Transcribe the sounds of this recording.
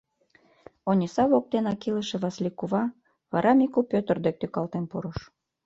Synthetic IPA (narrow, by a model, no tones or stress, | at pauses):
onʲisɑβok̚t̪enɑkiləʃĕβɑslʲikuβɑ | βɑ̰ɾʔɑmikupʲøt̪ə̆rd̪ek̚t̪ykɑlt̪enpuɾɤʃ